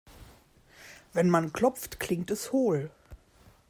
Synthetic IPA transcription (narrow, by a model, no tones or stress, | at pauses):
vɛnmankl̥ɔp͡ftkl̥ɪŋtɛshoːl